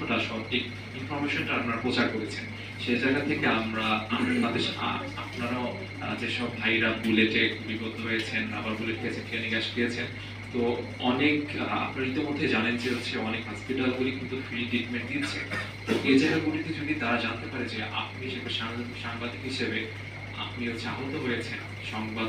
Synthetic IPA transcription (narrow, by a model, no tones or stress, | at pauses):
ʈaʃɔʈik | infɔɾmeʃonʈaapnaɾapɾot͡ɕaɾkoɾet͡ɕʰen | ʃed͡ʑajɡat̪ʰekeamɾaat̪ad̪eɾa̰ | a̰pnaɾa | d͡ʑeʃɔbːʱajɾabuleʈekʰubibɔd̪ʱːoɦojet͡ɕʰena̰baɾbuleʈɦoet͡ɕʰenkenikaʃd̪iet͡ɕʰen | t̪o | ɔneka̰pnaɾit̪omod̪ʱːed͡ʑanend͡ʑeoɕʰeɔnekɦɔspiʈalɡulikint̪ufɾiɖikmeʈd̪it͡ɕʰḛ | t̪oʔed͡ʑajɡaɾɡuʈit̪ed͡ʑod̪id̪aɾad͡ʑant̪epaɾed͡ʑeʔa̰p̚niʃekaʃaʃaŋbad̪ikɦiʃebe | a̰p̚niod͡ʑaɦot̪oɦojet͡ɕʰena̰pniʃɔŋbad̪